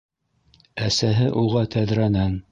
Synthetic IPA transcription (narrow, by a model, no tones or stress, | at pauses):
æsæɦɘʔuʁɑt̪ʰæðɾænæn